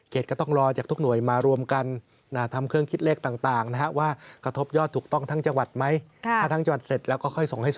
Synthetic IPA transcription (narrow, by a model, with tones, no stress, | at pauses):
kʰeː˨˩t̪̚kɔː˥˩t̪ɔ˥˩ŋɾɔː˧t͡ɕaː˨˩k̪̚ʰu˦˥k̚nu˨˩˦əjmaː˧ɾu˧əmka˧n | ʔaː˧˩t̪ʰa˧mkʰɯ˥˩əŋkʰi˦˥t̪̚leː˥˩k̚t̪aː˨˩ŋt̪aː˨˩ŋna˦˥kʰa˦˥waː˥˩kɾa˧t̪ʰo˦˥p̚jɔː˥˩t̪ʰːuː˨˩k̚t̪ɔ˥˩ŋt̪ʰa˦˥ŋt͡ɕa˧ŋwa˨˩t̪̚ma˦˥jʰt̪a˥˩a˦˥ŋt͡ɕa˧ŋwa˨˩t̪̚se˨˩t̪̚lɛ˦˥wkɔː˥˩kʰɔ˥˩jso˨˩˦ŋha˥˩j